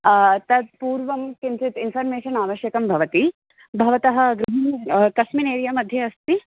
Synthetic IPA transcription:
t̪ɐd̪̚puːɾʋɐmkint͡ʃit̪infʰɐɾmeːʃɐnaːʋɐʃjɐkɐmbʱɐʋɐt̪i | bʱɐʋɐt̪ɐɦɐ̆ɡɾuɦinkɐʂmineːɾijɐmɐd̪ʱjɐɐst̪i

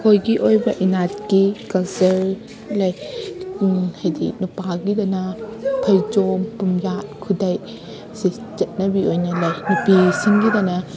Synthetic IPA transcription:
kʰojɡiʔojbɐʔinat̚kikɐzɐɾ | lɐj | hɐjdinupaɡidɐnɐpʰɐjd͡ʒompumjat̚kʰudɐj | si | t͡ʃɐt̚nɐbiojnɐlɐjnupisiŋɡidɐnɐ

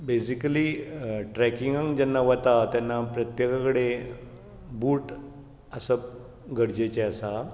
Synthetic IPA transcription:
besikəliʈɾɛkiŋɡãŋd͡ʑɛnːaʋət̪at̪janːapɾət̪jekakɽe | buːʈ | əsəp̚ | ɡəɾd͡ʑet͡ɕeəsa

